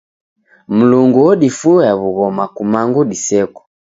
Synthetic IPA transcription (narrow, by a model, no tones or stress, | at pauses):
m̩luŋɡuɔɗifuaβuɣɔmakumaŋɡuɗisɛku̥